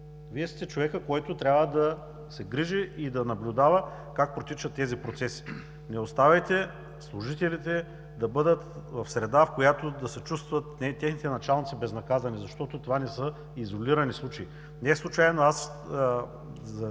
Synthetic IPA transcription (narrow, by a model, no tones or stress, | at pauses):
viɛst̪ɛt͡ʃovɛkəkoɛt̪ot̪ɾʲabvəd̪ɐ | sɛɡɾiʒɛʔid̪ɐnɐblʲʊd̪avə | kak̚pɾot̪it͡ʃɐt̪ːɛzipɾot̪sɛsi̥ | nɛost̪avɐjt̪ɛ | slˠuʒit̪ɛlit̪ɛ | d̪ɐbɤd̪ət̪vɐfsɾɛd̪afkojat̪od̪ɐsɛt͡ʃust̪vɐt̪ɛt̪ʲɛxnit̪ɛnɐt͡ʃalˠnit̪sibɛznɐkazɐnizɐʃt̪ɔt̪ot̪ovanɛsə | izolʲiɾɐnislˠut͡ʃɐi | nɛslˠut͡ʃajnoas | ɐ